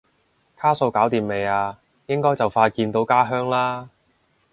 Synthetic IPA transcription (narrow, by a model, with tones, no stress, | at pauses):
kʰaː˥so˧wkaː˨˥wt̪iː˨mme˨jaː˧ | jɪ˥ŋkɔː˥jt͡sɐ˨wfaː˧kiː˧nt̪o˨˥wkaː˥ɦœː˥ŋlaː˥